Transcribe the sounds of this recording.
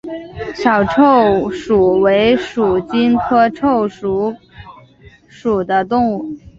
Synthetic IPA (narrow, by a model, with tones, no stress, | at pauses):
ɕjɑ˨˩ʊʈ͡ʂʰo˥˩ʊʂu˨˩we˧˥ɪʂu˨˩t͡ɕi˥nkʰɤ˥ʈ͡ʂʰo˥˩ʊʂu˧˥ | ʂu˨˩d̪ə˦t̪ʊ˥˧ŋu˥˩